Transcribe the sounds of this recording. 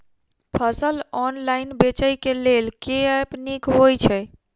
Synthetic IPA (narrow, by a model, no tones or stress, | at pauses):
pʰəsəlɔnlainbet͡ʃəjkelelkepnikɦojt͡ʃʰɛ